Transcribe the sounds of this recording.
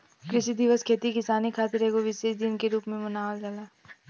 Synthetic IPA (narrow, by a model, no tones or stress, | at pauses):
kɾɪsid̪ɪʋəskʰeːt̪ikɪsaːnikʰaːt̪ɪɾɦeːɡoʋɪseːʃd̪ɪnkeɾuːpmẽmʊnaːəld͡ʒalaː